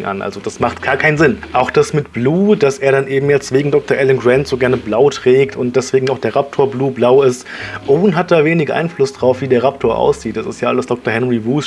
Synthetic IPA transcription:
ŋʔa̰nʔa̰lzod̥asmaχtɡ̥aːɐkʰaɪnzɪnʔaʊxd̥asmɪtb̥luːd̥asʔeːɐɾanʔeːbm̩jɛt͡stv̥eːɡŋ̩dɔk̚tɐʔɛlənɡʁɛntz̥oːɡɛɐnəblaʊtʁ̥ɛːktʊnt̚d̥ɛsv̥eːɡŋ̩aʊxd̥eːɐʁap̚tʰoːɐbluːblaʊɪstʔoːnɦat̚d̥aːveːnɪçʔa̰ɪnflʊsd̥ʁaʊfv̥iːdeːɐʁaptʰoːɐʔa̰ʊsz̥iːt̚d̥asɪ̰stjaːʔaləsd̥ɔk̚toɐhɛnʁivuːs

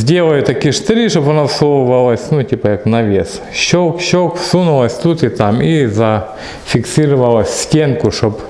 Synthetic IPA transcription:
zʲdʲelˠɐjʊt̪ɐkʲiʂt̪ɾʲiʂopɐnasowvɐlˠɐsʲnutʲipɐjaknɐʋʲes | ɕokɕokfsunʊlˠɐsʲt̪ut̪ɪt̪amizɐ | fʲɪksʲiɾɨvɐlˠɐsʲsʲtʲenkʊʂop

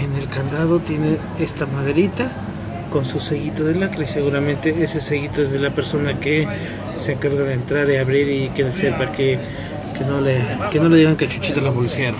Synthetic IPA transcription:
ene̞lkand̪aðo̞t̪jene̞ | e̞st̪amaðeɾit̪a | ko̞nsuse̞ɣit̪aðe̞lakɾiseɣuɾamẽ̞nt̪e̞eseseɣit̪oezðelape̞ɾso̞nake | seːŋkaɾɣaðeːnt̪ɾaɾiaβɾiɾikeðeseɾpaɾke | kenoleke̞no̞leiɣaŋket͡ʃu̥t͡ʃit̪alapolisjeɾo

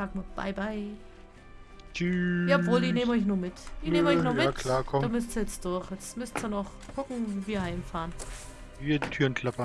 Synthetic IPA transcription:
aːkmʊtb̥a̰ɪbaɪ | t͡ʃyjaːɔpv̥oːldineːməɔʏçnuːɐmɪtʔɪçneːmɔʏçnɔmɪtkʰlaːkʰɔdaːmʏstz̥ijɛt͡sd̥ʊɐçjɛt͡smʏstz̥onɔχ | kʰʊkŋ̩viːviːɐhaɪmfaːʁən | viːɐditʰyːɐnkʰl̥apɐ

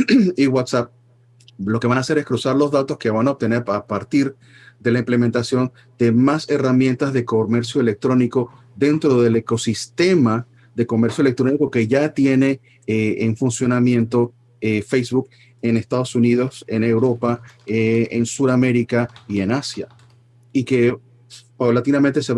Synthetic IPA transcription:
iɣwat̪sap̚ | lo̞keβanase̞ɾe̞skɾusaɾlo̞zðat̪o̞ske̞βanaoβ̚t̪e̞ne̞ɾapaɾt̪iɾ | d̪e̞laĩmple̞ment̪asjo̞n | d̪emase̞ramjẽ̞nt̪azðe̞kome̞ɾsjo̞elek̚t̪ɾo̞niko̞ | ðe̞nt̪ɾo̞ðe̞le̞ko̞sist̪e̞ma | ðe̞ko̞me̞ɾsjoele̞k̚t̪ɾo̞niko̞ke̞ʝat̪je̞ne̞ | eːɱfunsjo̞namje̞nt̪o̞ | efejsβuk | ene̞st̪aðo̞suniðo̞se̞ne̞wɾo̞paeensuɾame̞ɾikaie̞nasja | ike̞ | pawlat̪inamẽnt̪e̞se

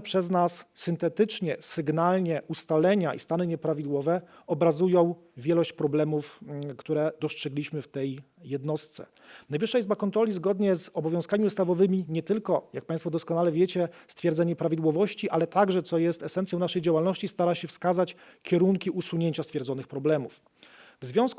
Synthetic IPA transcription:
pʂɛznasːɘnt̪ɛt̪ɘt͡ʂɲɛsɘɡnalɲɛʔust̪alɛɲaʔḭst̪anɘɲɛpɾavʲid̪wɔvɛ | ɔbɾazujɔ̃w̃ | vʲjɛlɔɕt͡ɕpɾɔblɛmufkt̪uɾɛd̪ɔstʂɛɡlʲiɕmɘft̪ɛjː | ɛd̪nɔst̪sɛ̰ | najvɘʂːaizbakɔnt̪ɾɔlʲizɡɔd̪ɲɛzɔbɔvʲjɔ̃skamʲiust̪avɔvɘmʲiɲɛt̪ɘlkɔjak̚pajst̪fɔd̪ɔskɔnalɛvʲjɛt͡ɕɛst̪fʲjɛɾd̪zaɲɛpɾavʲid̪wɔvɔɕt͡ɕiʔalɛt̪aɡʐɛt̪sɔjɛst̪ɛsɛntsjɔw̃naʂɛjd͡ʑawalnɔɕt͡ɕist̪aɾaɕɛfskazat͡ɕkʲɛɾuŋkʲiʔusuɲeɲt͡ɕast̪fʲjɛɾd̪zɔnɘxpɾɔblɛmṵf | vzvʲjɔ̃w̃sk

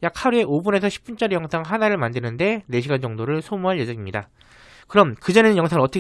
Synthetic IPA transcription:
jak̚haɾue̞ʔobune̞sʰʌɕʰi̥p͈̚unt͡ɕ͈ʌɾejʌŋsʰaŋɦanaɾɯɭmandɯnɯnde̞ne̞ɕʰiɡand͡ʑʌŋdoɾɯɭsʰomuɦaɭjed͡ʑʌŋimɲida | kɯɾʌmkɯd͡ʑʌnenɯnjʌŋsʰaŋɯɭʌt͈ʰʌk

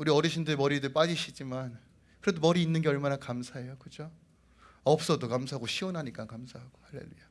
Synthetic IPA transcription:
uɾiʌɾiɕʰindɯɭmʌɾidɯɭp͈ad͡ʑiɕʰid͡ʑiman | kɯɾe̞domʌɾiːnːɯnɡe̞ʌɭmanakamsʰae̞jokɯd͡ʑo | ʌp̚s͈ʌdokamsʰaɦaɡoɕʰiwʌnɦaɲik͈akamsʰaɦaɡ̥o̥halːḛluja

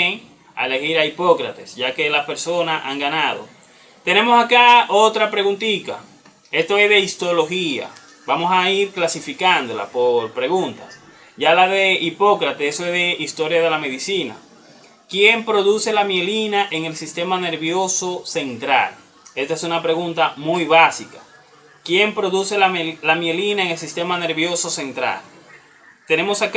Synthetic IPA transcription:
eŋ | a̰ele̞hiɾaipo̞kɾat̪esʝake̞laspe̞ɾso̞nasa̰ŋɡanaðo̞̰ | t̪e̞ne̞mo̞sakaot̪ɾapɾe̞ɣunt̪ik̪a̰ | e̞st̪o̞e̞sðe̞ist̪olo̞hia̰ | bamo̞saiɾklasifikand̪o̞la̰po̞ɾpɾe̞ɣunt̪as | ʝalaðe̞ʔipo̞kɾat̪eest̪oezðe̞ʔist̪o̞ɾjaðe̞lame̞ðisina̰ | kje̞mpɾo̞ðuse̞lamje̞linaʔe̞ŋe̞lsist̪e̞mane̞ɾβjo̞so̞se̞nt̪ɾa̰l | e̞st̪aesunapɾe̞ɣunt̪amujβasika | kje̞mpɾo̞ðuse̞lalamjelinaeŋe̞lsist̪e̞mane̞ɾβjo̞so̞se̞nt̪ɾa̰l | t̪e̞ne̞mo̞sak

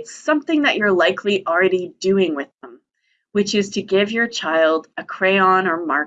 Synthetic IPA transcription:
tsʌ̃mθɪ̃ŋðɨt͡ʃə˞laɪkʰliʔl̩ˠɹɛɾidʉɪ̃ŋwɨðə̃m | wɨt͡ʃɪz̥tʰɨɡɪvjə˞t͡ʃʰaɪlˠdɨkʰɹ̥eɪɑ̃nə˞mɑɹ

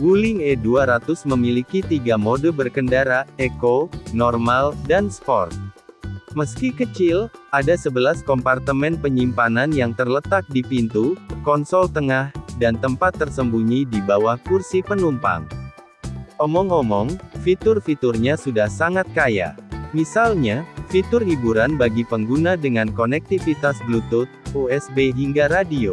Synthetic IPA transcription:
ɡulɪŋɛduaɾat̪ʊsməmilikit̪iɡamodɔbərkəndaɾaekonɔrmaldanspɔ̰rt̚ | məskikət͡ʃɪlʔadasəbəlaskɔmpart̪əmɛnpəɲimpananjaŋt̪ərlət̪ak̚dipint̪ukɔnsɔlt̪əŋahdant̪əmpat̪ːərsəmbuɲidibawahkursipənumpa̰ŋ | ʔɔmɔŋɔmɔŋfit̪ʊrfit̪ʊrɲasudahsaŋat̪̚kaja̰misalɲafit̪ʊrhibuɾanbaɡipəŋɡunadəŋankonɛk̚t̪ifit̪asblut̪ʊt̪̚uɛsbeɦiŋɡaɾadio

